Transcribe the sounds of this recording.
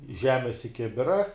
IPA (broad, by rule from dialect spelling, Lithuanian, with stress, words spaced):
ˈʒʲæːmʲɛs ɪ ˈkʲɪbʲɪrɐ